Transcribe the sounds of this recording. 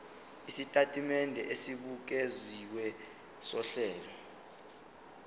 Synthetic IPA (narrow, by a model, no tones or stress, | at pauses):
isitʼatʼimɛndʱɛʔesiɓuk̬eziwɛ | sɔɬɛːlɔ